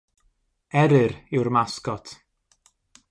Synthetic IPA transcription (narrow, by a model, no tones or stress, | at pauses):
ɛɾɨɾɪwrmaskɔtʰ